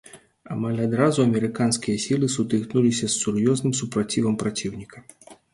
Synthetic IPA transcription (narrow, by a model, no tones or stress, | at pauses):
amalʲad̪ɾazuɐmʲɛɾɨkanskʲijɐsʲilˠɨsut̪ɨknulʲisʲɐsːurjɔznɨmsupɾat͡sʲivɐmpɾat͡sʲiwnʲikɐ̥